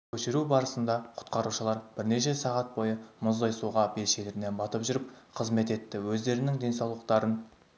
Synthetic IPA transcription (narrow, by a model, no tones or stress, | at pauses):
kʲʰɵʃɪɾubɑɾəsənd̪ɑqʰʊ̥t̪qɑɾuʃəlˠɑɾb̥ɪɾne̞ʃ̬e̞sɑʁɑt̪̚bo̞jəmʊzd̪ɑjsuʁɑbe̞lʃe̞lɪɾɪne̞nbɑt̪əpʒʏɾəp̚qʰəzme̞t̪e̞t̪ːɪwɵzd̪e̞ɾɪnɪŋd̪e̞nsɑwlˠəq̚t̪ɑɾən